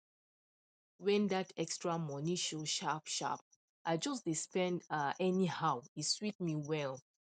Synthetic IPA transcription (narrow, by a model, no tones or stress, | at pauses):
wɛ̃ndatʰɛkstɹamɔniʃoʃapʃa̰p̚ | ʔaɪd͡ʒɔsd̥ispɛ̃ndʔɛnihawiswit̚miwɛl